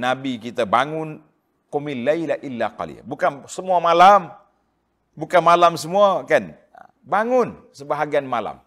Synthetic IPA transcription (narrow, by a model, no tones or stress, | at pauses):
nabikit̪abaŋʊn | kumilːajlaʔilːaqa̰lḭa̰bukansəmuamalam | bukanmalamsəmuakan | baŋʊnsəbaɦaɡianmala̰m